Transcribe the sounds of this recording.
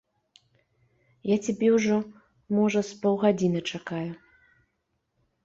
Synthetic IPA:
jat͡sʲabʲɛwʐɔ | mɔʐɐspɔwɣad͡zʲinɨt͡ʂakaju

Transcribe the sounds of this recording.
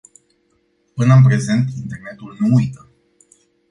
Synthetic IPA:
pɨnəɨnpɾe̞ze̞nt̪int̪e̞rne̞t̪ulnuujt̪ə

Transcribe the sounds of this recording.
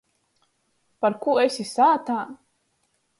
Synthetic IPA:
paɾkuːesʲisaːt̪aː

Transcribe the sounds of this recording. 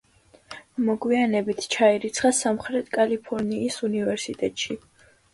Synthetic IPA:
mɔɡwianɛbit̪ʰt͡ʃʰaiɾit̪sʰχasamχɾɛt̪ʰkʼalipʰɔɾniːsunivɛɾsit̪ʼɛt̪ʼʃi

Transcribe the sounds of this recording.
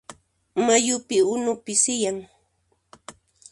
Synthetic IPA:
majʊpɪʊnʊpɪsɪjaŋ

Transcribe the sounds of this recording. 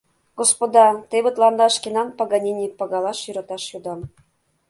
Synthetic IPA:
ɡospod̪ɑt̪eβɘ̆t̪lɑnd̪ɑʃkenɑnpɑɣɑnʲinʲipɑɣɑlɑʃjyɾɑt̪ɑʃjud̪ɑm

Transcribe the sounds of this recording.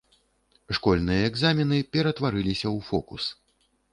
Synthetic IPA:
ʂkɔlʲnɨjɐɛɡzamʲinɨpʲɛɾɐt̪vaɾɨlʲisʲɐwfɔkṵs

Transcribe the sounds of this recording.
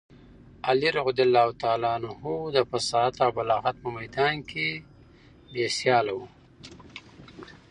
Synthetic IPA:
aliɾɣʊd̪ɪlːawt̪ɑːlɑːnuhud̪əpəsɑːt̪awbalɑːɣat̪̚pəmajd̪ɑːnkʰe | besjɑːlawu

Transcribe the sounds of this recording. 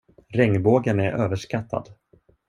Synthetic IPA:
ɾɛŋːboːɡənæɾʔøːvəʂkat̪ʰːa̰d̪

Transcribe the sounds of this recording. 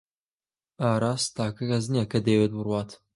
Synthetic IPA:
aːɾaːst̪aːkɐkɐznijɛkɐd̪ewet̪̚bɨrwaːt̪

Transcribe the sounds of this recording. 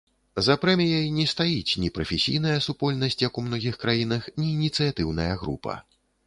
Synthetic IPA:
zɐpɾɛmʲijɐjnʲɛst̪ajit͡sʲnʲipɾɐfʲɛsʲḭjn̪ɐjɐsupɔlʲnɐsʲt͡sʲjɐkumnɔɣʲixkɾajinɐxnʲiːnʲit̪sɨjat̪ɨwnɐjɐɣɾṵpɐ̰

